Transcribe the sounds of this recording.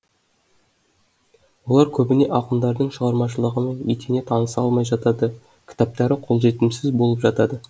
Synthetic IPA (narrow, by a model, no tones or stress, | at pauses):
wo̞lˠɑɾkʲʰɵbɪne̞ʔɑqəmd̪ɑɾd̪əɴʃəʁɑɾmɑʃəlˠəʁəme̞nijt̪ene̞t̪ʰɑnəsɑ̰lˠmɑjʒɑt̪ɑd̪ə | kʲʰɪ̥t̪ɑp̚t̪ɑɾɪqʰo̞lˠʒe̞t̪ɪmsɪzbo̞lˠəpʒɑt̪ɑd̪ə